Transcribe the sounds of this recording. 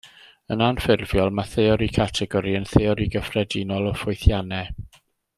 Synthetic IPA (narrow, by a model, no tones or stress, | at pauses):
ənanfɪrvjɔlˠmaθɛɔɾikʰatʰɛɡɔɾiənθɛɔɾiɡəfrɛdinɔlˠɔfʊjθjanɛ